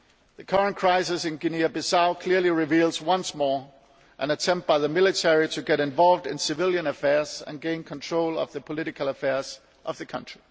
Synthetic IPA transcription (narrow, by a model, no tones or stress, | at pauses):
ðɨkʰʌɹə̃nkʰɹ̥aɪsɨsɪ̃nɡɪniɨbɪsaʊkʰl̥ɪɹliɹɪvilˠzwʌ̃nsmɔɹ | ʔɨ̃nɨtʰɛ̃mp̚t̚b̥aɪðəmɪlˠɨtʰɛɹitʰɨɡɛɾɨ̃ɱvɑlˠvdɪ̃nsɨvɪlˠjɨ̃nəfɛɹz̥ɨ̰̃nɡẽɪ̃nkʰə̃ntʰɹ̥oʊlˠʌ̰vðɨpʰəlɪɾɨkʰəlˠəfɛɹz̥ | ʔʌvðɨkʰʌ̃nt͡ʃɹ̥i